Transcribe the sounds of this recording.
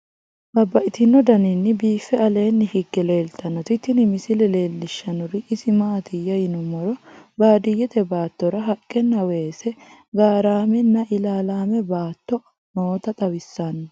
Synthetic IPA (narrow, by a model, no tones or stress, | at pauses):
b̥ɐbːɐʔɪt̪ɪnːɔd̪ɐnɪnːɪbiːfːɛɐle̞ːnːɪhɪɡːɛle̞ːlt̪ʰɐnːɔt̪ɪt̪ːɪnɪmɪsɪlɛle̞ːlːɪʃːɐnʊɾɪʔɪsɪmaːt̪ɪjːɐjɪnʊmɔɾɔbaːd̪ɪjːɛt̪ɛbaːt̪ːɔɾɐɦɐkʼːɛnːɐwe̞ːsɛɡaːɾaːmɛnːɐʔɪlaːlaːmɛbaːt̪ːɔ | noːt̪ɐt̪ʼɐwɪsːɐnːɐ